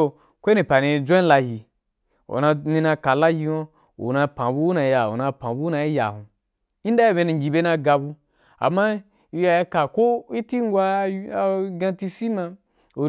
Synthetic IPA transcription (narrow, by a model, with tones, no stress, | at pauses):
o˧ | kʷe˦ni˨pa˨nĩ˧˨d͡ʒʷã˦la˧hi˧ | o̰˨na˧ni˧na˧ka˨la˦ji˧wa˦ | ṵ˨na˧pã˨bu˦u˦nã˨˧˦ja˨o˨na˧pã˨bu˦u˦na˧i˦ja̰˨hũ˨ | i˦n˦da˦ji˦˨be˧ni˧ŋ˨ɡʲi˨be˦na˧ɡa˧bu˧ | a̰˨mːa˦ | i˧ja˧ji˧ka˨ko˦i˦ti˦ŋ˦ɡʷa˦˨ɡã˧ti˧si˦mã˧ | o˨